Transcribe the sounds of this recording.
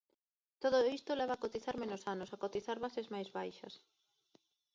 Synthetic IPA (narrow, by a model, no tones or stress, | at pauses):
t̪oðoist̪olɛβ̞ɐːkot̪iθaɾmẽnosanosakot̪iθaɾβasezmajzβajʃɐ̰s